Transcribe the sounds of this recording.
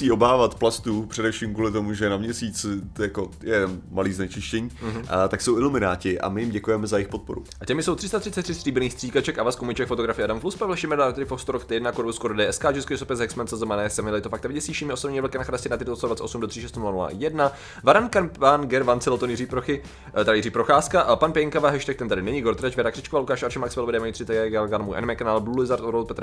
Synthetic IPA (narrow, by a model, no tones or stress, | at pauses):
siːʔobaːvat̪plast̪upr̥ɛdɛfʃiːmkuːlɪt̪o̞muʒɛnamɲɛsiːt͡sjakojɛmaliːznɛt͡ʃɪʃcɛɲiːɦt̪aksowɪlumɪnaːcɪʔa̰mɪjɪmɟɛkujɛmɛzajɪxpot̪̚poɾṵʔacɛmɪso̞wt̪r̥ɪst̪at̪r̥ɪtt͡sɛt̪ːr̥ɪst̪r̥iːbɛniːxst̪r̥iːkat͡ʃɛkavaskomuɲɪt͡ʃɛkfot̪oɡɾafɪjɛʔadamkluspavɛlʃɪmɛɾat̪ɛɾɪfokst̪oɾokt̪ɛjɛdnakoɾbuskoɾdɛːɛskaːd͡ʒɛskɛsopɛzɛksmɛnt͡sɛzomanɛːsɛmɪlɛɪt̪ofakt̪ɛvɪɟɛsiːʃimɪʔosobɲiːɛvl̩kɛnaxɾascɪnat̪ɪɾtlst̪advat̪sɛt̪ʔosumdor̥iʃɛst̪nulanula̰jɛdna | vaɾankapanɡɛɾvant͡sɛlot̪onjɪriːpɾoxɪ | t̪aɪjiriːpɾoxaːskaʔpanpɛŋkavaɦɛʃt̪ɛk̚t̪ɛnt̪adɪnɛɲɪɡoɾt̪ɾɛt͡ʃvɛɾakr̥ɪt͡ʃkovalukaːʃaɾʃɛmaksfɛlodɛːmajit̪sɪt̪aɡɛɡɛlɡanmuʔɛ̰nmɛknalblulɪzaɾt̪oɾolt̪pɛt̪ɾ